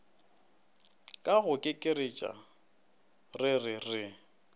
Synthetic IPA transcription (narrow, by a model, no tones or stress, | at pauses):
kʼaɣʊkʼɪkʼɪret͡ʃʼa̰ | rɪrɪrɪ